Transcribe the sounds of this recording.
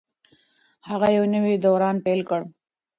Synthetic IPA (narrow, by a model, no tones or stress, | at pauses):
haɣajawnəwid̪oːɾɑːnpelkəɽ